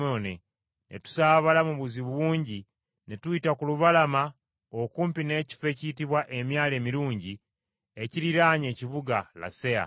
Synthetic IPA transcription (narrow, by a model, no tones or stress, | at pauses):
one | nʔḛtu̥saːβalamuβuziβuβuːɲɟi | ne̞tuitakuluβalama | okuːmpine̞ːci̥fe̞ciːtiβwaʔe̞mjaːle̞ːmiɾuːɲɟi | e̞ciɾiɾaːɲe̞ːciβuɡala̰se̞a̰